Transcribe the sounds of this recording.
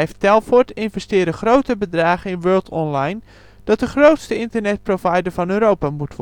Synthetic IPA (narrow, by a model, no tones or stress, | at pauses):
jftɛlˠfɔtɪnvɛstɪːɾəxrowtəbədraːχəɪnʋøːlˠtʰɔnlajn | d̥ɔt̚dəxrowtstəɪntərnɛt̚provajdəɹvɔnøːɾowpamutʋ